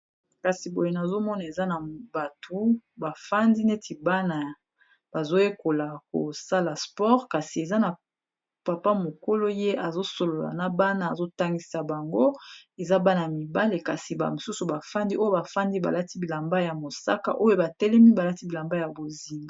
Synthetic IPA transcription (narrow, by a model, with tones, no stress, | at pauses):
ka˨si˨bo˨je˨na˨zo˦mɔ˦na˨e˨za˦na˨ba˨tʰo˦ba˨fa˦ndi˦ne˦ti˨ba˦na˨ | ba˨zo˦je˦ko˨la˨ko̰˨sa˦la˨spɔ˦ʁka˨si˨e˨za˦na˨ | pa˨pa˦mo˨ko˦lo˦je˦ʔa˨zo˦so˨lo˨la̰˨na˨ba˦naː˨zo˦ta˦ŋɡi˦sa˨ba˨ŋɡo˦e˨za˦ba˦na˨a˨mi˨ba˦le˨ka˨si˨ba̰˨mo˨su˦su˨ba˨fa˦ndi˦o˦jo˦ba˨fa˦ndi˦ba̰˨la˦ti˦bi˨la˨mba˦ja˨mo˨sa̰˦ka̰˨ʔo˦jo˦ba˨tɛ˦lɛ˦mi˦ba˨la˦ti˦bi˨la˨mba˦ja˨bo˨zi˨ŋɡa˨